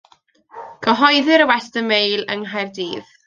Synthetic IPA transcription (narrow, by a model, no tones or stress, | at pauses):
ɡ̥əɦɔjðɪɾəwɛstəmejlˠəŋɦajrdiːð